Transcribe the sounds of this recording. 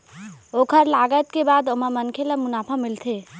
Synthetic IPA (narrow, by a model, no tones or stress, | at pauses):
okʰəɾlaɡət̪kebad̪oməmənkʰelemunapʰamilt̪ʰe